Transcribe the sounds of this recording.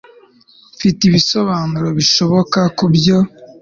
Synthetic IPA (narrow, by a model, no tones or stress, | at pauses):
fitiβiso̞βaːnuɾoβiʃo̞βo̞kakubjo̞